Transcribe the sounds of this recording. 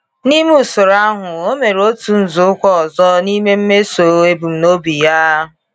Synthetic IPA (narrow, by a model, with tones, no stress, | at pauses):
ni˦mu˦˨sʊ˨ɾa˦ɦʊ˨o˦me˨ɾo˦tu˨n̩˨zʊ˨˦kʷɔ˦ɔ˨zɔ˦ni˦me˦m̩˦me˦so˨e˦bu˨m̩˨no˦bi˨ja˦ɦʊ˨